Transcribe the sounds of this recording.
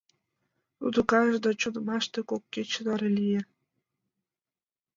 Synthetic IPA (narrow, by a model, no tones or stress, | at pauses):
ud̪ukɑʒd̪ɑt͡ɕonmɑʃt̪ekokːet͡ɕəd̪ɑɾelʲije